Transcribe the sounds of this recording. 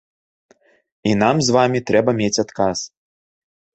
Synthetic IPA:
inamzvamʲit̪ɾɛbɐmʲet͡sʲat̪kas

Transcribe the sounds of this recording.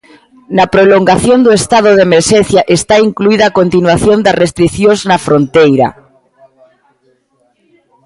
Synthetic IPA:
nɐpɾoloŋɡaθjond̪oest̪að̞oðemeɾʃẽnθjaʔest̪aiŋkluiðaːkont̪inwaθjond̪ɐrest̪ɾiθjõznafɾont̪ejɾa̰

